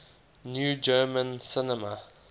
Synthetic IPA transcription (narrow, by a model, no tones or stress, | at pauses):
njuːd͡ʒɜːmə̃nsɪnɛmə